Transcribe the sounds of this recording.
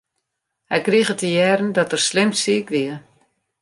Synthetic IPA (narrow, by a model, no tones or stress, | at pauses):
hɛjkrixətəjɛrn̩dɔtərslɪmsiəkʋiə